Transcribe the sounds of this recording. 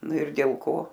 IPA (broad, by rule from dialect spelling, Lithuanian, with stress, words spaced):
ˈnʊ ɪr dʲeːlˠ ˈkoː